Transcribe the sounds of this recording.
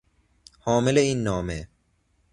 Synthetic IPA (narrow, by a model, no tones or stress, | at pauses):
hɔːmɪleiːnːɔːme